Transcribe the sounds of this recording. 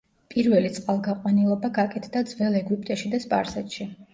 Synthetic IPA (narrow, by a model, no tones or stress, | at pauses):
pʼiɾvɛlit̪sʼqʼalˠɡaqʼwanilˠɔbaɡakʼɛt̪ʰd̪ad̪zvɛlˠɛɡwipʼt̪ʼɛʃid̪aspʼa̰ɾsɛt̪ʃi